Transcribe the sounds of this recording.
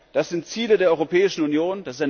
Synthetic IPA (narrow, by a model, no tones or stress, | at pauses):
d̥asz̥ɪntt͡siːlədeːɐɔʏʁopʰɛːɪʃn̩unjoːnd̥asɪstaɪ